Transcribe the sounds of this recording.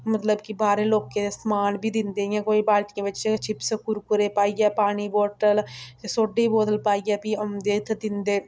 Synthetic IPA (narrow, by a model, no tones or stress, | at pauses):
mət̪ləbkɪbaːɾẽːloːkːeːsmaːnbʱiːd̪ɪnd̪eːjãːkoːiːbaːlʈɪjãːʋɪt͡ʃt͡ʃʰɪpskʊɾkʊɾeːpaːiːɡɛːpaːɳ̃iːboːʈəlt̪esoːɖeiːboːd̪əlpaːiːɡɛːpiʊmd̪eːt̪d̪ɪnd̪eː